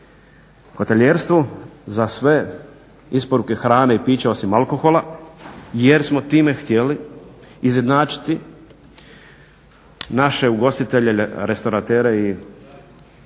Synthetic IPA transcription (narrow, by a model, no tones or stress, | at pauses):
xo̞t̪eʎeːɾst̪ʋuzasʋe̞ | ispo̞ɾuke̞xɾaːneipiːt͡ɕeo̞simalˠko̞xo̞la | je̞ɾsmo̞t̪iːme̞xt̪je̞liː | zje̞d̪naːt͡ʃi̥t̪i | naʃe̞uɡo̞st̪it̪e̞ʎeeɾe̞st̪oɾat̪eːɾei